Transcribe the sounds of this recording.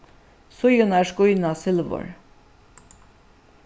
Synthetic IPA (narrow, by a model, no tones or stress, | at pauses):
sʊjʊnæʂkʊjnasɪlʋʊ̰ɹ